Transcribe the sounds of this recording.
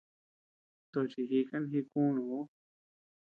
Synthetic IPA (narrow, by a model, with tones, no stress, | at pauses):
t̪o˧t͡ʃi˧ɦi˧ka˦n˧ɦi˧kũ˦nũ˨u˦